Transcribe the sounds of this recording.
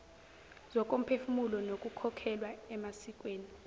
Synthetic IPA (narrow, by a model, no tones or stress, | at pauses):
zɔk̬ʼom̩pʰefumulɔnok̬ʼukʰɔkʰɛlwaɛmasik̬ʼweːni